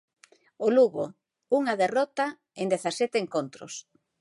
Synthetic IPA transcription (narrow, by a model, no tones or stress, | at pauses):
oluɣo̰ | uŋaðerɔt̪a | end̪eθasɛt̪eŋkont̪ɾʊ̰s